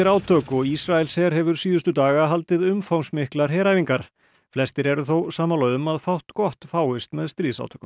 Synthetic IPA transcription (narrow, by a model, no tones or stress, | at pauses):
ɪɾaːwt̪ʰœːkɔɣisɾaɛlsɛɾ̥hɛvʏɾ̥siːðʏst̪ʏt̪aːɣaɦalt̪ɪðʏmfawnsmɪhklaɾ̥ɦɛːɾajviŋkaɾ̥ | flɛst̪ɪɾɛɾʏθowsaːmalœːðʏmaðfawht̪kɔht̪faːwɪst̪mɛðst̪ɾiːðsa̰wt̪ʰœːkʏm